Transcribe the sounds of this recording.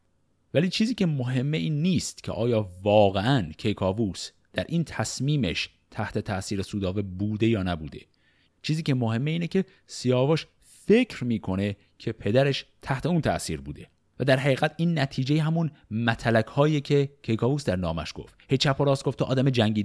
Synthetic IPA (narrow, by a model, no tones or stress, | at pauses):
væliːt͡ʃʰiːziːcʰe̞moɦe̞mːeiːnːiːst̪cʲʰeʔɒːjɒːvɒːɣeʔæncʰejkʰɒːvuːs | d̪̥æɾʔiːnt̪ʰæsmiːmḛʃ | t̪ʰæht̪ʰe̞t̪ʰæʔsiːɾesuːd̪ɒːvebuːd̪e̞jɒːnæbuːd̪e̞̰ | t͡ʃʰiːziːcemoɦe̞mːeiːnecʰe̞ | sijɒːvoʃ | fe̞cʰɾmiːkʰo̞ne̞ | cʰe̞pʰe̞d̪æɾe̞ʃt̪ʰæht̪ʰe̞uːnt̪ʰæʔsiːɾbṵːd̪e̞ | væd̪æɾɦæɣiːɣæt̪ʰiːnːæt̪ʰiːd͡ʒejeɦæmunmæt̪ʰælækhɒːiecʰe̞cʰejkʰɒːvuːsd̪æɾnɒːmæ̰ʃɡ̥o̰ft̪hejt͡ʃʰæpʰːoɾɒːsɡ̥oft̪ʰɒʔɒ̰ːd̪æmed͡ʒæŋɟiː